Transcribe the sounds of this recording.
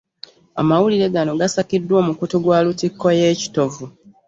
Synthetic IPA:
a̰mawuliɾe̞ɡano̞ɡasakidːwo̞ːmukutuɡwaːlutikːo̞je̞ːci̥to̞vu

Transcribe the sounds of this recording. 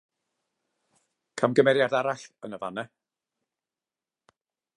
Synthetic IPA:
kʰamɡəmɛɾjadaɾaɬənəvanɛ

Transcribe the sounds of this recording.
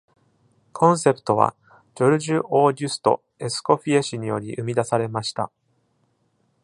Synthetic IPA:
kʰõ̞ɰ̃se̞pɯ̥t̪o̞β̞a̰ | d͡ʑoɾɯ̟ʑɨʔo̞ːɾʲɨsɨ̥t̪o̞̰ | e̞sɨ̥ko̞ɸʲieɕiɲ̟ijo̞ɾʲḭʔɯ̟mʲid̪asaɾe̞maɕi̥t̪a̰

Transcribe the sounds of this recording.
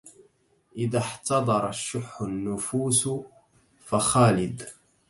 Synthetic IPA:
ʔɪðaħt̪ɑd̪ˤɑɾˤɑʃːʊħːʊnːʊfuːs | faxaːlɪd̪

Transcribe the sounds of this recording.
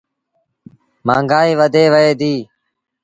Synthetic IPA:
mã̰ːŋɡaːiːʋəd̪ʱeːʋəeːd̪iː

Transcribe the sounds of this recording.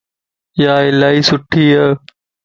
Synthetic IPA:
jaːɪlaːiːsʊʈʰiːə

